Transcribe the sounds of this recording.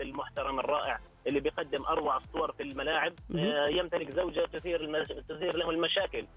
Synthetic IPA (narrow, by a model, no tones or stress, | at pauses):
ɪlmʊħt̪ɑɾˤɑmɪrˤːɑːʔɪʕ | ʔɪlːibɪjqɑd̪ːɪmʔɑɾˤwɑʕɪsˤːʊwɑɾˤfilmalaːʕɪb̚jɪmt̪alɪkzawd͡ʒat̪ʊθiːɾɪt̪ʊθiːɾlahʊmɪlmaʃaːkɪl